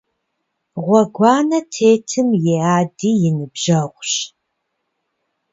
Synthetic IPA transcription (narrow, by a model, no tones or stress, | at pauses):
ʁʷɔɡʷɑːnɐtʰeːtʰɨmjeːaːdiːjɪnɨbʒ̥ɐʁʷɕ